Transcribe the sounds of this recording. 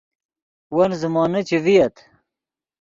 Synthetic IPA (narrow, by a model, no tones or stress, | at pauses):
wɐnzumɑːnɐt͡ɕivijɐt̪ʰ